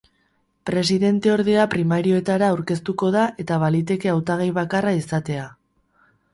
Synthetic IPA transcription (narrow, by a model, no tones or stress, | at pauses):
pɾe̞siðe̞nt̪e̞o̞ɾðe̞apɾimaɾio̞e̞t̪aɾaːwɾke̞st̪uko̞ðaʔe̞t̪aβalit̪e̞ke̞awt̪aɣ̞ajβ̞akaraisat̪e̞a